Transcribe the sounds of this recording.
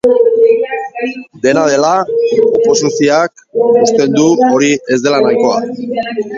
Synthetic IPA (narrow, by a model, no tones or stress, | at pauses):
d̪e̞nað̞e̞laopo̞sisioakust̪e̞nd̪uo̞ɾie̞zd̪elanajko̞a